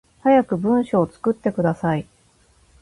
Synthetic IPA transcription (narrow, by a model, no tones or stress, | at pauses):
hajakɯ̟bɯ̟̃ɰ̃ɕo̞ːt͡sɨ̥kɯ̟t̪ːe̞kɯ̟d̪asai